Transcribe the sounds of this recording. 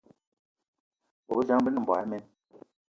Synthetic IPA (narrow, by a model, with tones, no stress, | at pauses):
bo˨˦d͡ʒa˦ŋ˦bi˦n˨m̩˨ba̰˨˦mɛ˦n